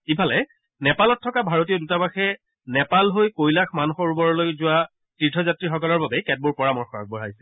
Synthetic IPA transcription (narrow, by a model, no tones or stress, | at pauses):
ipʰalɛ | nɛpalɔtʰːɔkabʱaɹotiodutabaxɛ | nɛpalɦojkojlaxmanuxɔɹubɔɹɔlojzʊa | tidʰʱɔzatɹixɔkɔlɔɹbabɛkɛt̚buɹpɔɹamɔɹxɔɹak̚bɔɹajsɛ̥